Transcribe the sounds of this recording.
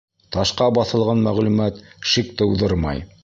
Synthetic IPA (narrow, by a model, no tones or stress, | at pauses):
t̪ɑʃqɑbɑθɤ̆lˠʁɑnmæʁlʉmæt̪ʃik̚t̪ɤ̆uðɤɾmɑ̰j